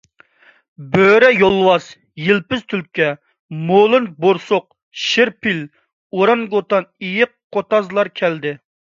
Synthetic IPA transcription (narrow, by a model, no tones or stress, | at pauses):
bøɾɛjolˠːwɑs | jilpɪz̥t̪ʰylp̚kʲɛ | molˠɨnboɾsoq̚ | ʃɪɾpil | oɾɑnɡot̪ɑnijɪqʰːot̪ɑzlˠɑɾkʲʰɛld̪ɪ